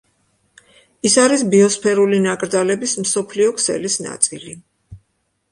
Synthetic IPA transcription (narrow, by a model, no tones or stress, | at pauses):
isaɾisbiɔspʰɛɾulinakʼɾd̪alɛbismsɔpʰliɔkʰsɛ̰lisna̰t̪sʼḭli